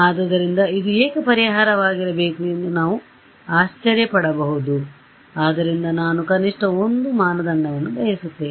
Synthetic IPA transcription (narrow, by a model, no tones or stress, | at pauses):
aːd̪ɐd̪ɐɾind̪ɐid̪ueːkɐpɐɾiɦaːɾɐʋaːɡiɾɐbe̞ːkuend̪unaːʋu | aːʃt͡ʃɐɾjɐpɐɽɐbɐɦud̪u | aːd̪ɐɾind̪ɐnaːnukɐniʂʈɐo̞nd̪umaːnɐd̪ɐɳːɐʋɐnːubɐjɐsut̪ːeːi